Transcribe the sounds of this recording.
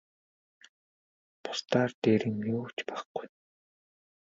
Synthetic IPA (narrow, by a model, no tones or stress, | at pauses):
pʊ̥st̪aːrt̪eːɾĭŋmioːt͡ɕpaχɡ̥uj